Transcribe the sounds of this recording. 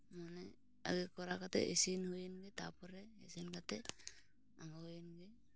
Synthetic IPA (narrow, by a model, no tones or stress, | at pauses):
manɛ | a̰ɡɛkɔɾakat̪ɛ̰ʔesinhujinɡɛt̪apɔɾɛḛsinkat̪ɛ | aŋɡɔhujinɡɛ